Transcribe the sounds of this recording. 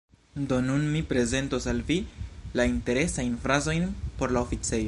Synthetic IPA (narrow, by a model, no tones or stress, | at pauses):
do̞nunmipɾe̞ze̞nto̞salvilainte̞ɾe̞sajnfɾazo̞jnpo̞ɾlaofit͡se̞jo̞